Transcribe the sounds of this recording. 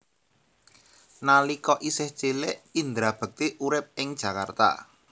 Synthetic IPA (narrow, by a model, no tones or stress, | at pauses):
nalikɔʔisɪht͡ʃeleʔind̪ɾab̥ə̤k̚t̪iʔuɾɪp̚ɪŋd̥ʒ̥ä̤kart̪a̰